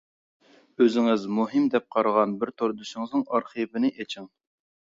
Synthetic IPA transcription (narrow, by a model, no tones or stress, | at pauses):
øzɪŋɪzmuɦɨmd̪ɛp̚qʰɑɾʁɑnbɪɾt̪ʰoɾd̪uʃɪŋɨznɨŋɑɾχəbɪnɪʔet͡ʃʰiŋ